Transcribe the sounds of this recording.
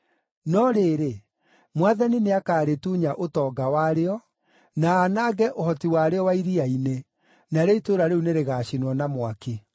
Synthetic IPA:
nɔɾeːɾe | mwaðanineakaːɾetuːɲaʔotɔːɡawaɾeɔ | naːnaɡɛʔohɔtiwaɾeɔwaiɾiaine | naɾeitoɾaɾeuneɾeɣaːɕinwɔnamwake

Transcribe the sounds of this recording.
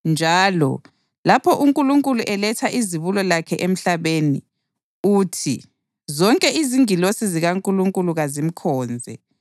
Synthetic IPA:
nd͡ʒʱaːlɔ̰ | lapʰɔʔuŋkʼuluŋkʼuluʔɛlɛtʰaʔiziβulɔlakʰɛʔem̩ɬaβeni | uːtʰḭ | zɔŋkʼɛiziŋilosiziɣaŋkʼuluŋkʼuluɣazim̩kʰɔːnd͡zʱɛ̰

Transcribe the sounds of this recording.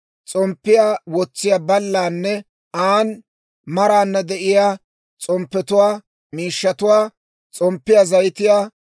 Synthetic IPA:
t͡sʼɔmpːɪjaːwɔt͡sːɪjaːbɐlːaːnːɛ | aːn | mɐɾaːnːɐd̪ɛʔɪjaː | t͡sʼɔmpːɛt̪ʊwaː | miːʃːɐt̪ʊwaː | t͡sʼɔmpːɪjaːzɐjt̪ɪjaː

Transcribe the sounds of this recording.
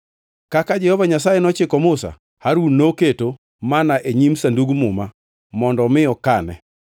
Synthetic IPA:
kakad͡ʒɛhɔvaɲasajenɔt͡ʃɪkɔmʊsa̰ | haɾunːoketo | manaʔeɲimsanduɡmʊma | mɔndɔmɪɔkanɛ̰

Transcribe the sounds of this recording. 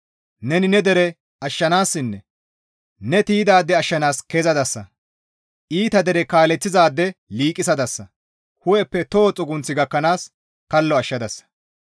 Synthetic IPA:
nɛnɪnɛd̪ɛɾɛ | ɐʃːɐnaːsːɪnːɛ | nɛt̪iːd̪aːd̪ːɛɐʃːɐnaːskezɐd̪ɐsːɐ | ʔiːt̪ɐd̪ɛɾɛkaːlɛt͡sːɪzaːd̪ːɛliːkʼːɪsɐd̪ɐsːɐ | hʊjɛpːɛt̪oːt͡sʼʊɡʊnt͡sːɪɡɐkːɐnaːs | kɐlːɔɐʃːɐd̪ɐsːɐ̥

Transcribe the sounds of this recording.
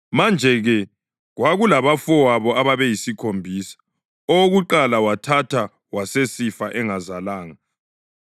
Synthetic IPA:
mand͡ʒʱɛɣɛ | ɣwaɣulaβafɔwaβɔaβaβɛjisikʰombʱiːsḁ | ɔoɣuǃalawatʰatʰa | wasesifaʔɛŋazalaːŋa

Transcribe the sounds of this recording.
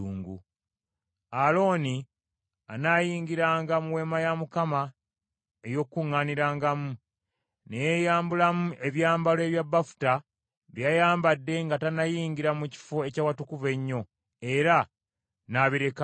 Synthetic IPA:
uːŋɡṵ | alo̞ːni | anajiːŋɡiɾaːŋɡamuwe̞majamukama | ejo̞kːuŋːaniɾaːŋɡamu | nejejaːmbulamuʔe̞βjaːmbalwe̞βjabːafu̥ta | βijajaːmbadːe̞ŋɡatanajiːŋɡiɾamuci̥foe̞cawatukuve̞ɲːo̞ | e̞ɾa | naβiɾe̞ka

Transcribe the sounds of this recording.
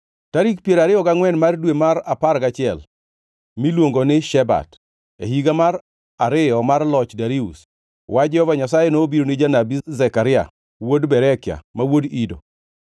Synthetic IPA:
taɾikpjeɾaɾɪjɔɡaŋwɛnmardwemaɾapaɾɡat͡ʃɪɛl | milwoŋɡonɪʃɛba̰d | ḛɦiɡamar | aɾɪjɔmarlɔt͡ʃdaɾiṵs | wʔad͡ʒɛhɔvaɲasajenoːbiɾonɪd͡ʒanabizɛkaɾɪa̰ | wodbɛɾɛkɪa̰mawodido̰

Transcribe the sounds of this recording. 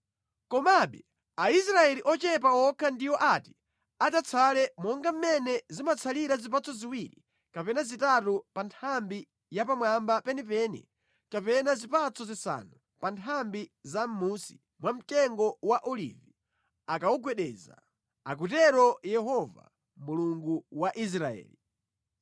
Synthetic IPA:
kɔmaɓɛ | aisɾaɛliʔɔt͡ʃɛp̬awɔkʰandiwɔʔati̥ | atat͡sʰalɛmɔŋɡam̩mɛnɛzimat͡sʰaliɾazip̬at͡sʰɔziwiɾḭ | kapɛnazitatupantʰambi | japamwambapɛnipɛnḭ | kapɛnazipat͡sʰɔzisa̰nu | pantʰambizamusi̥ | mwam̩tɛŋɡɔwaʔɔlḭvi | akawuɡwɛɗɛːza̰ | a̰k̬utɛɾɔjɛɦɔva̰ | muluŋɡuwaʔis̬ɾaɛ̰ːli

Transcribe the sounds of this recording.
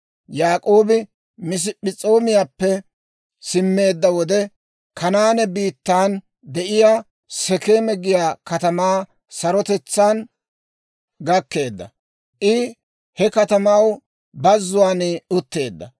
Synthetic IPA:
jaːkʼo̞ːbɪ | mɪs̬ɪpɪt͡sʼo̞ːmɪjaːpːɛ | sɪmːe̞ːd̪ːɐwɔd̪ɛ | kʰɐnaːnɛbiːt̪ːaːn | d̪ɛʔɪjaː | sɛkeːmɛɡɪjaːkɐt̪ɐmaː | sɐɾɔt̪ɛt͡sːaːn | ɡɐkːe̞ːd̪ːɐ̰ | ʔɪ | hɛkɐt̪ɐmaw | bɐzːʊwaːnɪʊt̪ːe̞ːd̪ːɐ̰

